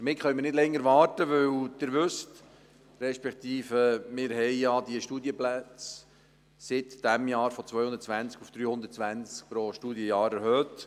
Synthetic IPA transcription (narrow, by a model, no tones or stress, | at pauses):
dəɾmɪtχœʏmɪɾnɪdlɛŋːəɾʋɑːɾtəʋɵwd̪̥ɪɾʋʏst | ɾɛʃpɛkt̪iːfəmɪːɾɦɛɪjɑd̥̪iəʃtuːd̪jəplæt͡s | sɪt̪d̪̥æmjɑːɾfɔt͡sʋœʏʊnd̪ət̚t͡sʋænt͡skufd̪̥ɾyːhʊnd̪ətt͡sʋænt͡sk̚pɾoʃtuːdjəjɑːɾɛɾhøːt̪